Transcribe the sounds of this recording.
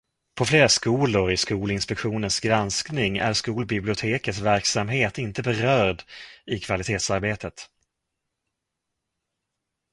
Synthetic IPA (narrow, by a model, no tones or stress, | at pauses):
pʰɔfleːɾaskuːlʊɾɪskuːlɪnspɛkɧuːnənsɡɾansknɪŋæ̰ɾskuːlbɪblɪʊt̪ʰeːkət̪svæɾksamɦeːt̪ɪnt̪əbɛɾœːɖɪkʰv̥alɪt̪ʰeːt̪saɾbeːt̪ʰət̪